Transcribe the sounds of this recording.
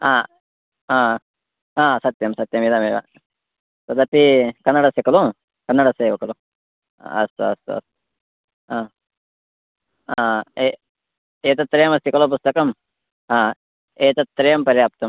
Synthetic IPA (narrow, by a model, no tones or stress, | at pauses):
aː | aː | aːsɐt̪jɐmsɐt̪jɐmid̪ameːʋa̰ | t̪ɐd̪ɐt̪ikɐnːɐɽɐsikɐlo | kɐnːɐɽɐseːʋɐkɐlo̰ | ɐst̪uɐst̪ṵɐ̰st̪u̥ | ãː | e | eːt̪ɐt̪ːɾejɐmɐst̪ikɐloːp̬ust̪ɐkɐm | aː | eːt̪ɐt̪ːɾejɐmpɐɾjaːp̚t̪ɐm